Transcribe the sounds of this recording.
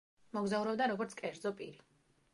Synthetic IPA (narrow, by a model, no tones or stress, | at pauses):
mɔɡzauɾɔbd̪aɾɔɡɔɾt̪sʰkʼɛɾd̪zɔpʼiɾi